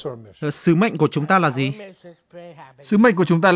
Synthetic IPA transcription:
sɨ˨˦ma̰˧˨ŋku˧˩ət͡ɕʊ˨˦ŋ͡mt̪aː˧laː˨˩zi˨˩ | sɨ˨˦ma̰˧˨ŋ̟ku˧˩ət͡ɕʊ˨˦ŋ͡mt̪aː˧

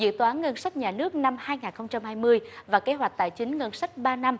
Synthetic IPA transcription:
zɨ̰˧˨t̪aː˨˦nŋə˧nsa˦˥k̟̚ɲaː˨˩nɨ˦˥ək̚na˧mhaː˧jŋaː˨˩nxə˧wŋ͡mt͡ɕa˧mhaː˧jmɨ˧əjvaː˨˩ke˨˦ɦwa˨˩k̟̚t̪a̰ː˧˨jt͡ɕï˨˦ŋ̟ŋə˧nsa˦˥k̚ɓaː˧na˧m

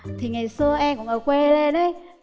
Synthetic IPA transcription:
t̪ʰi˨˩ŋa˨˩jsɨ˧əʔɛ˧mkʊ̰˧˥ŋ͡mʔəː˧˩kwe˧le˧ɗə˨˦j

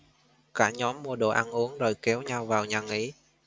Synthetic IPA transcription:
kaː˧˩ɲɔ˨˦mːu˧əɗo̰˧˨˩ʔa˧nʔu˨˦əŋzo˨˩jkɛ˨˦wɲa˧wvaː˨˩wɲaː˨˩ŋi˨˦

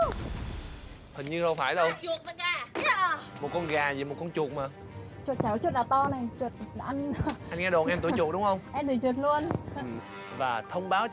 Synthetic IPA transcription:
hi˨˩ŋ̟ɲɨ˧zə˧wfaː˧˩jɗə˧wt͡ɕu˨˩ək̚mə˨˩aː˨˩ | mo˨˩t̚kɔ˧nɣaː˨˩zi˨˩mo˨˩t̚kɔ˧nt͡ɕu˨˩ək̚maː˨˩ | t͡ɕwo˨˩t̚t͡ɕaː˧˩wt͡ɕu˦˥t̚laː˨˩t̪ɔ˧na˨˩jt͡ɕwə˨˩t̚ʔa˧ŋnʔa˧jŋɛ˧ɗo˨˩nʔɛ˧mt̪u˧˩˦t͡ɕu˨˩t̚ɗʊ˨˦ŋ͡mhə˧wŋ͡mʔɛ˧mɗ̪i˨˩t͡ɕwə˨˩t̚lu˧ən˨˩ | vaː˨˩t̪ʰə˧wŋ͡mɓaː˨˦w

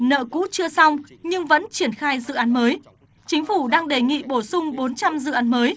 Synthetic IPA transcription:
nə̰ː˧˨kṵ˧˥t͡ɕɨ˧əsa˧wɲɨ˧ŋvə̰˧˥nt͡ɕi˧˩ənxaː˧jzɨ̰˧˨ʔaː˨˦nməː˨˦j | t͡ɕï˨˦ŋ̟fu˧˩ɗaː˧ŋɗe˧˩ŋḭ˧˨ɓo˧˩sʊ˧ŋ͡mɓo˨˦nt͡ɕa˧mzɨ̰˧˨ʔaː˨˦nməː˨˦j

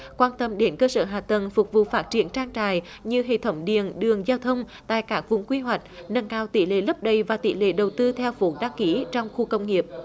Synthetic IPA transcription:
kwaː˧nt̪ə˧mɗe˨˦nkəː˧səː˧˩ɦaː˨˩t̪ə˨˩nfʊ˨˩k͡p̚vṵ˧˨faː˦˥t̚t͡ɕi˧˩ənt͡ɕaː˧ŋt͡ɕa̰ː˧˨j | ɲɨ˧ɦḛ˧˨t̪ʰə˧˦wŋ͡mɗḭ˨˩ənɗɨ˨˩əŋzaː˧wt̪ʰə˧wŋ͡m | t̪a̰ː˧˨jkaː˦˥k̚vʊ̰˧˥ŋ͡mkwi˧ɦwa˨˩jk̟̚nə˧nkaː˧wt̪ḭ˧˩lḛ˧˨lə˦˥p̚ɗə˨˩jvaː˨˩t̪ḭ˧˦lḛ˧˨ɗə˨˩wt̪ɨ˧t̪ʰɛ˧wfo˨˦ɗa˧ŋki˧˩˦t͡ɕɔ˧wŋ͡mxu˧kə˧wŋ͡mŋi˨˩əp̚

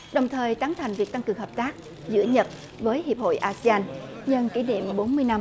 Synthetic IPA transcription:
ɗə˨˩wŋ͡mt̪ʰəː˨˩jt̪aː˨˦ŋt̪ʰa˨˩jŋ̟vi˨˩ək̚t̪a˧ŋkɨ˨˩əŋhəː˨˩p̚t̪aː˦˥k̚ | zɨ̰˧˥əɲə˨˩t̚ | vəː˨˦jhi˨˩əp̚ho̰˧˨jʔaː˧si˧aː˧nɲə˧nki˧˩nḭ˧˨əmɓo˨˦nmɨ˧əjna˧m

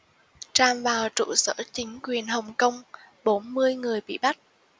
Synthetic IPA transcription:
t͡ɕaː˧mvaː˨˩wt͡ɕṵ˧˨sə̰ː˧˥t͡ɕï˨˦ŋ̟kwi˨˩ənɦə˨˩wŋ͡mkə˧wŋ͡m | ɓo˨˦nmɨ˧əjŋɨ˨˩əjɓḭ˧˨ɓa˦˥k̚

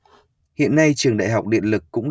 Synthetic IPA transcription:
hḭ˧˨ənːa˧jt͡ɕɨ˨˩əŋɗa̰ː˧˨jɦa˨˩wk͡p̚ɗḭ˧˨ənlɨ˨˩kːʊ̰˧˥ŋ͡m

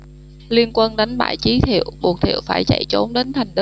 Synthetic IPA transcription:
li˧ənkwə˧nɗa˨˦jŋ̟ɓa̰ː˧˨jt͡ɕi˨˦t̪ʰḭ˧˨əwɓu˨˩ək̚t̪ʰḭ˧˨əwfaː˧˩jt͡ɕa̰˧˨jt͡ɕo˨˦nɗe˨˦nt̪ʰa˨˩jŋ̟ɗɨ˦

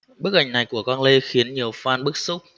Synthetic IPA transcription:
ɓɨ˦˥k̚ʔa˧˩jŋ̟na˨˩jku˧˩əkɔː˧nle˧xi˨˦ənɲi˨˩əwfaː˧nɓɨ˦˥k̚sʊ˦˥k͡p̚

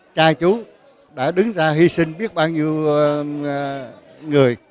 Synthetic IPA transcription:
t͡ɕaː˧t͡ɕu˨˦ | ɗa̰ː˧˥ɗɨ˨˦ŋzaː˧ɦi˧sï˧ŋ̟ɓi˦˥ət̚ɓaː˧wɲi˧əw | ŋɨ˨˩əj

